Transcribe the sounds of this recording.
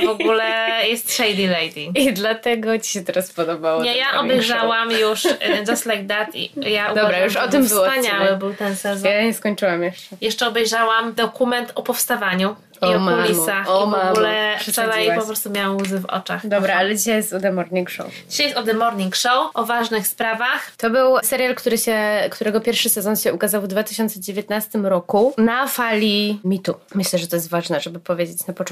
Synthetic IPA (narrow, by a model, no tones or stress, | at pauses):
vɔɡulɛjɛst̪ʂɛjd̪ilɛjd̪iid̪lat̪ɛɡɔt͡ɕi̥ɕɛt̪ɛɾaspɔd̪ɔbawɔɲɛjaʔɔbɛjʐawamjuʂd̪ɔslɛɡd̪at̪ḭjaʔud̪bɾajuʃɔt̪ɨmbɨswɔpaɲawɛbɘwt̪ɛnsɛzɔjaɲɛskɔɲt͡ʂɨwamjɛʂɛjɛʂt͡ʂɛɔbɛjʐawamd̪ɔkumɛnt̪ʰɔpɔfst̪avaɲu | iɔmulʲisaxɔivɔaɡulɛʂɛʂalajpɔppɾɔst̪umjawamuzɘvɔ̰t͡ʂaxd̪ɔbɾaalɛd͡ʑiɕajɛst̪ɔd̪ɛmɔɾɲiŋkʂɔ̰wd͡ʑiɕajɛst̪ɔd̪ɛmɔɾɲiŋkʂɔwʔɔvaʐnɘxspɾavaxt̪ɔbɘwsɛɾʲjalkt̪uɾɘɕɛkt̪uɾɛɡɔpʲjɛɾfʂɘsɛzɔnɕɛukazawvd̪vat̪ɘɕɔnt̪sɛd͡ʑevʲet̪nast̪ɘmɾɔkunafalʲimʲit̪umɘɕlɛʐɛt̪ɔjɛst̪vaʐnɛʐɛbɘpɔvʲjed͡ʑet͡ɕnapɔtɔ